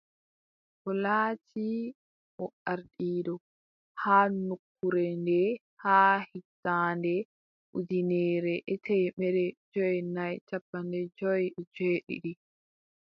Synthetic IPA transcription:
hɔlaːtʰi | ʔɔaɾɗiːɗɔ | haːnukʰːuɾɛndɛ | haːhitːaːndɛ | ʔudinɛːɾɛʔɛtɛːmɛɾɛd͡ʒɔjnajt͡ʃapːandɛd͡ʒɔjd͡ʒeːɗḭɗi

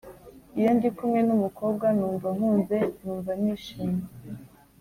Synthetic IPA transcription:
ijandikumŋe̞numukob̚ɡwanuːɱvaŋ̥uːnze̞nuːɱvaniːʃiːma

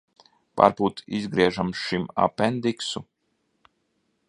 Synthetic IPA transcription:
pa̰ɾpuːt̪izɡɾiɛʒamʃima̰pɛnd̪iksu

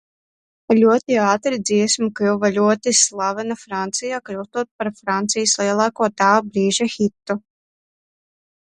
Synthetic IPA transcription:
lʲuɔt̪iaːt̪ɾid̪ziɛsmikuwvalʲuɔt̪islˠavɛnafɾant̪sijaːkluwt̪uɔt̪̚paɾfɾant̪sijslˠiɛlˠaːkuɔt̪aːbɾiːʒaxit̪ːu

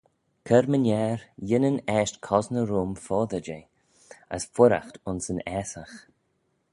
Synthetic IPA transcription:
kʰɛɾmənɛːɾjɪnənɛːʃtkʰɔznəɾuːmfɔːðəd͡ʒe | ə̰sfʊɾa̰xtʊnsənɛːsax

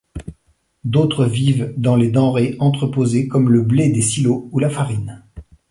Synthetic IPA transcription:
d̪ot̪χəvivd̪ɑ̃led̪ɑ̃ʁeɑ̃t̪χəpozekɔmləbled̪esiloulafaʁin

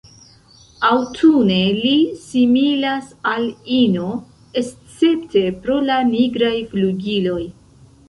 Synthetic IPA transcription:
awtʰunelisimilasalino̞ | est͡se̞pte̞pɾo̞laniɡɾajfluɡilo̞j

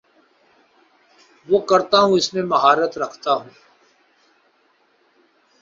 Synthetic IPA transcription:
ʋoːkɐɾt̪aɦũɪsmẽmɐɦaːɾət̪ɾɐkʰt̪aɦũː

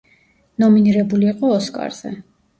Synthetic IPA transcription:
nɔminiɾɛbuliːqʼɔːskʼa̰ɾz̥ɛ̰

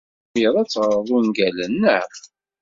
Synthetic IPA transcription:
iðˤæt͡sːʁəɾˤəðˤunɡælənːə

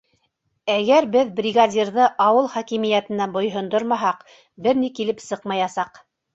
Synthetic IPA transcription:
æɡæɾbɘðbrʲiɡadʲiɾðɤʔɑwɤlˠχækimɘ̆jæt̪ɘ̆nænbŏjɦŏnd̪oɾmɑɦɑq | bɘɾnikilɘpsɤqmɑjɑsɑq

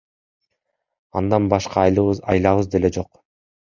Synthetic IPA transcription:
ɑ̰nd̪ɑnbɑʃqɑjɑjlˠɑβɯzd̪e̞le̞d͡ʒo̞q

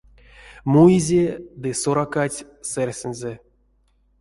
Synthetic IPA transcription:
mujizʲed̪ɨsoɾakatʲ | serʲsʲenʲzʲe

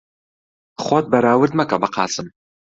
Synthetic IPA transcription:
χʷɔt̚bɐɾaːwʊrdmɐkʼabɐqʰɑ̰ːsʼɨm

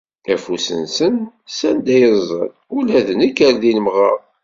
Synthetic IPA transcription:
æfusə̰nsən | sænd̪æjəzˤːə̰n | ulæðənikːæɾðiləmʁəʁˤ

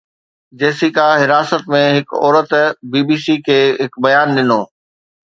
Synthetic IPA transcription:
d͡ʑeːsikaɦɪɾaːsət̪mẽɦɪkɔ̰ːɾət̪biːbiːsikʰeːɦɪkbɐjaːnɗɪnoː

